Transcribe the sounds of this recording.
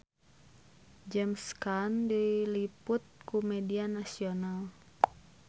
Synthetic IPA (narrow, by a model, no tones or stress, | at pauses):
d͡ʒɛmskandilipʊt̪̚kumɛdianasional